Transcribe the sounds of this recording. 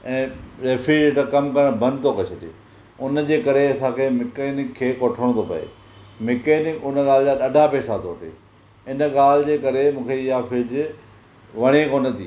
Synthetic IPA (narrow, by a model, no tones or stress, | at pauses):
ɛ̃ːɾeːfid͡ʑeʈakɐmkɐɾəɽ̃bɐ̃nd̪̚t̪ʰokɐt͡ɕʰɐɗḛː | ʊnd͡ʑeːkɐɾeɐsãkʰemɪkeːnɪkʰːeːkoʈʰəɽ̃t̪ʰopɐ̰ḛː | mɪkeːnɪkʊnəɠaːlɪd͡ʑaɗɐɖʱapeːsat̪ʰoːʈḛː | ɪnɠaːl̤ɪd͡ʑeːkɐɾemũːkʰeɪɦafɪd͡ʑ | ʋɐɽ̃ekoːnət̪ʰiː